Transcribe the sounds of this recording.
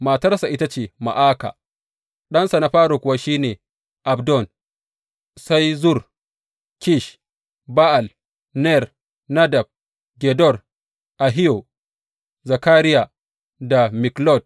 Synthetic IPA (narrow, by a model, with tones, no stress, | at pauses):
maː˨tɐ˦rsa˨ʔɪ˦ta˦t͡ʃeː˨ma̰˨ʔaː˦ka̰˨ | ɗɐ˦nsa˨na˦ɸaː˦ɽo˨kʷʊ˨wa˦ʃiː˦neː˨ | ʔa˨bdɔ˦˨n | sa˦jzʊ˦˨r | kʲi˦˨ʃ | ba˦ʔa˨l | nɛ˦˨r | na˦da˨b̚ | ɡɛ˨dɔ˦˨r | ʔa˨ɦi˦jo˨ | za˨kaː˦ɾɪ˦ja˨ | da˨mɪ˨klɔ˦˨d̚